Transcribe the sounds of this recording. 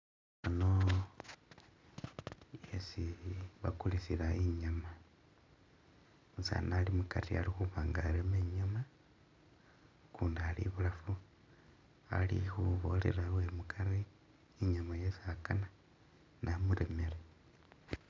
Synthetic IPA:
ano̞ | jesiβakulisilaiɲama | usa̰nalimukatialixuβaːŋɡaɾemeɲoma | kuːndialḭβulafu | a̰lḭxuβo̞lḛɾawemukʰaɾiː | ɲamajesiakana | nʔamuɾemeɾe

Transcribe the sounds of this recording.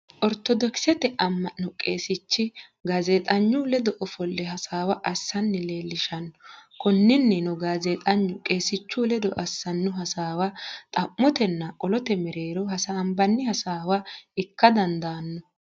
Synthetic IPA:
ʔɔɾt̪ɔd̪ɔksɛt̪ɛʔɐmːɐnɔkʼe̞ːsɪt͡ʃːɪ | ɡɐzeːt̪ʼɐɲːʊlɛd̪ɔʔɔfɔlːɛɦɐsaːwɐʔɐsːɐnːɪle̞ːlːɪʃɐnːɔkɔnːɪnːɛnɔɡaːzeːt̪ʼɐɲːʊkʼe̞ːsɪt͡ʃːulɛd̪ɔʔɐsːɐnːʊɦɐsaːwɐt̪ʼɐmːɔt̪ɛnːɐkʼɔlɔt̪ɛmɛɾe̞ːɾɔɦɐsaːmbɐnːɪhɐsaːwaɪkːɐd̪ɐnd̪aːnːɔ

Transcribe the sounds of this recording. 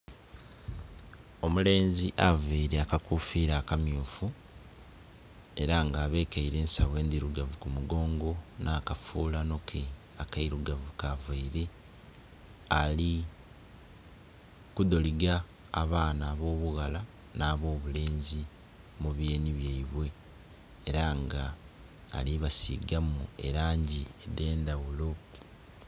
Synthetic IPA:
o̞mule̞ːnziʔaveiɾeakakufiːɾaːkamjuːfu | e̞ɾaŋɡaːβe̞ːkaiɾe̞ːnsaβwe̞ːnd̪iɾuɡavukumuɡo̞ːŋɡo̞nʔaːkafuːlano̞kʰe | akaiɾuɡavukavaiɾe̞ | ali | kud̪o̞liɡaː | βaːnaːβo̞ːβuɣala | naːβo̞ːβule̞ːnzi | muβje̞ːniβjeiβwe̞ː | ɾaŋɡa̰ː | liβasḭɡamue̞̰ɾaːɲɟiede̞ːnd̪awulo̞

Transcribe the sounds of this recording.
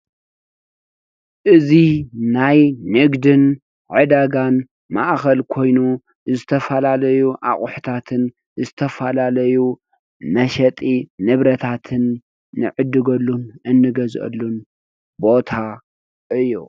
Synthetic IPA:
ʔɨzinajːɨɡd̪ɨn | ʕɨd̪aɡan | ma̰ʔxɐlkʰo̞jnu | zɨt̪ʰɐfɐlalɐjuʔa̰χʼʊħɨ̥t̪ʰat̪ʰɨn | zɨt̪ʰɐfɐlalɐju | mɐʃɐt̪ʼinɨβɾɐt̪ʰat̪ʰɨnː | ɨ̰ʕɨd̪ːɨɡɐlːunʔɨnːɨɡɐzʔɐ̰lːun | bo̞t̪ʰa | ʔɨjːu

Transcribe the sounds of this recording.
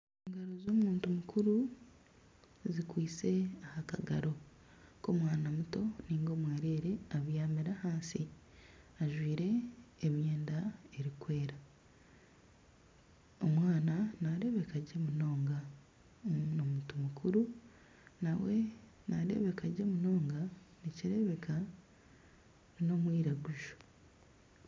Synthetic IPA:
eŋɡaɾozo̞ːmuːntumukuɾu | zikwiːt͡se̞ahakaɡa̰ɾo̞ | ko̞mwaːnamuto̞niːŋɡo̞mweːɾeːɾe̞aβjaːmiɾahaːnsi | aʒwiːɾe̞ːmje̞ːndae̞ɾikwe̞ːɾa | omwaːnanaɾe̞βe̞kaɟe̞muno̞ːŋɡa | nomutumukʰuɾu | nawe̞ | naɾe̞̰βe̞kaɟe̞muno̞ːŋɡa | niciɾe̞βe̞kʰa | nino̞mwiːɾaɡuʒo̥

